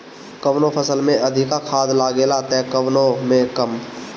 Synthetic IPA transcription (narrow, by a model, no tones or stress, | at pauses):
kəʋnopʰəsəlmẽəd̪ʱɪkakʰaːd̪laːɡelat̪ɛːkəwnomẽkəm